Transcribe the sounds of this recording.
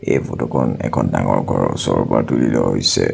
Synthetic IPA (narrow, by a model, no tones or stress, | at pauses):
ejbɔtɔkʰɔnɛkʰɔndaŋɔɹɡʱɔɹɔsɔɹbaɹtulilɔɦojsɛ